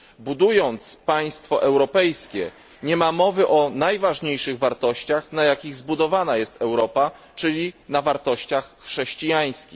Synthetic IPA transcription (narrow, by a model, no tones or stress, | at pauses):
bud̪ujɔnt̪spaj̃st̪fɔʔɛwɾɔpɛjskʲɛ | ɲɛmamɔvɘʔɔnajvaʐɲejʂɘɣvaɾt̪ɔɕt͡ɕaxnajakʲiɣzbud̪ɔvanajɛst̪ɛwɾɔpa | t͡ʂɘlʲinavaɾt̪ɔɕt͡ɕaxːʂɛɕt͡ɕijaj̃skʲix